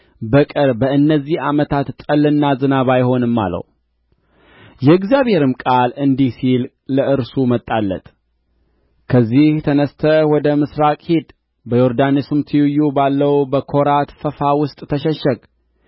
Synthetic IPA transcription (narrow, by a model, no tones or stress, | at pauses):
bəkʼɨɾbəɨnːəzːihamət̪ʰat̪t̪ʼːəlːɨnːazɨnaβajho̞nɨmːa̰lə̰w | jɛɨɡzijaβhe̞ɾɨmkʼalɨnd̪isil | ləʔɨɾsumət̪ʼːalːə̰t̪ | kʰəzːiht̪ʰənəst̪ʰəwɔd̪əmɨsɾakʼhid̪ | bəjoɾd̪anisɨmt̪ʰɨjujubalːəwbəkʰo̞ɾat̪fəfawʊst̪ʼt̪ʰəʃɛʃːəɡ